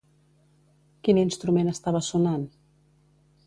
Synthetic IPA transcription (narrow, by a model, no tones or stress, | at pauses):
kininst̪ɾumenəst̪aβəsunan